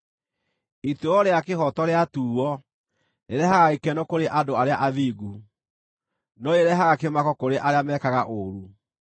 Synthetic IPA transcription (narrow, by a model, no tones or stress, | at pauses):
itoɔɾeakehɔtɔɾeatuːɔ | neɾɛhaɣaikɛnɔkoɾeʔadoaɾeaʔaðiːɡu | nɔeɾɛɦaɣakemakɔkoɾeʔaɾeamɛːkaɣaʔoɾu